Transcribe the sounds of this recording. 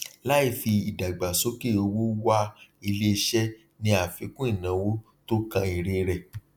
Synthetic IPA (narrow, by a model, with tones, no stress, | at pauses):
la˦i˦˨fi˧i˨da˨ɡ͡ba˨so˨˦ke˦˨o˧wo˦wa˦i˧le˦˧ʃɛ˦ | nĩ˧a˨fi˨˦kũ˦i˦˨nã˨˦wo˦ | to˦kã˧i˨ɾe˧ɾɛ˨